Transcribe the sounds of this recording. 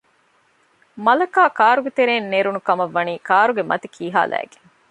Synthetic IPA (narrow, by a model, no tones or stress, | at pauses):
mɐlɐkaːkaːɾuɡet̪eɾeːnːeːɾunukɐmɐʋːɐniːkaːɾuɡemʔɐ̰t̪ikʰiːɦa̰ːlʔæ̰ːɡeŋ